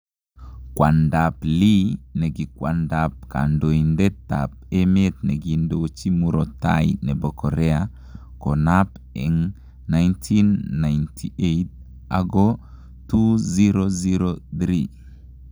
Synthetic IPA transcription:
kwandaplinɛɡikwandap̚ka̰ndoindɛta̰p̚emet̪nɛɡindot͡ʃimuɾɔta̰inɛbɔkɔɾɛa | kɔnap | ɛŋ | najntʰinːajntʰiet̚ | a̰ɡɔ | tuziɾoziɾoθɾi

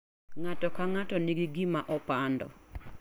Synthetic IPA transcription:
ŋatɔkaŋatɔniɡiɡimaʔɔpandɔ̰

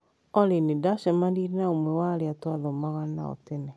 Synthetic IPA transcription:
ɔɾenedaʃɛmadiɾenaomwɛwaɾeatwaðɔmaɣana̰ɔ̰tɛnɛ

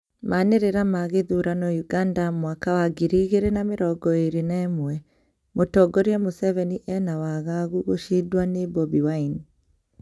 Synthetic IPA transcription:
maneɾeɾamaɣeðuɾanɔjuɡandamwakawaɡiɾiːɣeɾenameɾɔɡɔeɾenɛːmwɛ | motɔɡɔɾeɛmosɛvɛniʔɛnawaɣaɣuɣoʃidwanebɔbiwaini

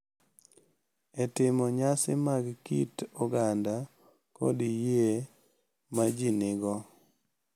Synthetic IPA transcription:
ɛtɪmɔɲasɪ̰maɡkitoɡanda | kɔ̰dije | mad͡ʒinɪɡɔ

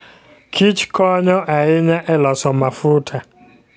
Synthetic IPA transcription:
kʰit͡ʃkʰɔɲɔʔaɣɪɲaʔɛlɔsɔmafʊtʰa

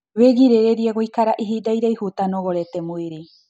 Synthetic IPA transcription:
βeɡiɾeɾeɾiaɡoikaɾaʔiɦid̪ajɾajhut̪anoɡoɾet̪emuiɾi

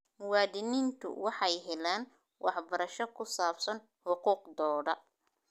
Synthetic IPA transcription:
waːdɪnint̪ʰʊ̰wɑħɑjɦɛlaːn | wʔɑħbɐɾɐʃɔkʰʊsaːbsɐn | ħʊquːqd̪ɔːɽɐ

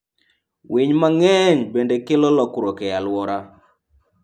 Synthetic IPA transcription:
wiɲmaŋɛɲbendekɪlɔlɔkɾɔkɛjalwɔɾa

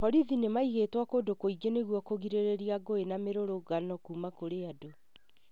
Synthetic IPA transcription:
pɔɾiðinemaiɣeːtwakoːdokoiɡeneɣwɔkoɣiɾeɾeɾiaɡoenameɾoɾoɡanɔkuːmakoɾeado

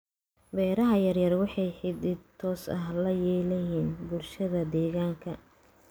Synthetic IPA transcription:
bɛːɾɐɦɐjɐrjɐrwɑħɑjħɪd̪ɪt̪ʰɔːsɐɦlɐjɛːlɐjiːnbʊlʃɐðɐd̪ɛːɣaːŋkʰɐ

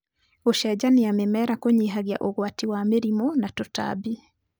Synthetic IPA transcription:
oʃɛd͡ʑaneamemɛɾakoɲiɦaɣja̰ʔoɣwatiwameɾimɔnatota̰bi

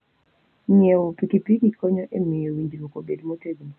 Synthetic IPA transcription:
ɲewopikipikikʰɔɲɔʔemɪjowiɲd͡ʒɾokobedmɔteɡun

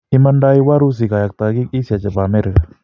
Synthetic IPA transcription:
imandaiwaɾus̬ikajak̚t̪aɡik̚isiat͡ʃəpamɛɾa

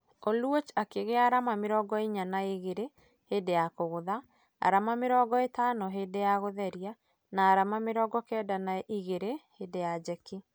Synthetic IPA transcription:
olwot͡ʃakeɣeaɾamamɪɾɔːɡɔiɲanaeɣeɾe | hedejakoɣoða | a̰ɾamameɾɔːɡɔetanɔɦedejaɣoðɛɾia | naːɾamameɾɔːɡɔkɛːdanaiɣeɾehedejad͡ʒɛki

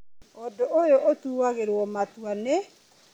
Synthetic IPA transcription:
odoʔojoʔotuwaɣeɾwɔmatwane

